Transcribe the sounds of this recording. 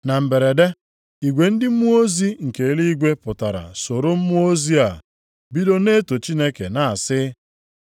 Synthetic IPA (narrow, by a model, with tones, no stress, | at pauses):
na˨m̩˨be˨ɾe˨de˦ | i˨ɡʷe˨n̩˦dɪ˦m̩˦mu˦o˦zi˦ŋ̩˨ke˨˦li˦i˦ɡʷe˦pʊ˨ta˨ɾa̰˨so˨ɾo˦m̩˦mu˦o˦zi˦a˨ | bi˦do˦ne˦to˨t͡ʃi˦ne˦kḛ˨na˨a˨sɪ˦